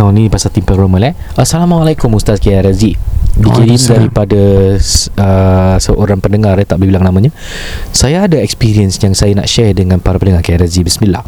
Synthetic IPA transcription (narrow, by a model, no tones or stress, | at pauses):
ɔnipasat̪impɔɡɾomə̃lɛ | asalamalajkʊmust̪askajaɾazidikiɾindaɾipadasəsəʔoɾaŋpəndəŋaɾat̪aʔbəlhbilaŋnamãɲa | sajaːdaɛkspiɾiənsjaŋsajana̰ʔʃɛrdəŋãnpaɾapənəŋakajaɾazibəsəmilah